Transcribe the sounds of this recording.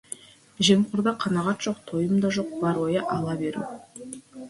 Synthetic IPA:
ʒemqʰʊɾd̪ɑqʰɑnɑʁɑt̪ʒ̥o̞q̚t̪ʰo̞jəmd̪ɑʒo̞q̚bɑɾwo̞jɑʔɑlˠɑbeɾṵ

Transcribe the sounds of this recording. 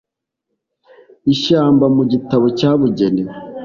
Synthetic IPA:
iʃaːmbamuɟitaβo̞caːβuɟene

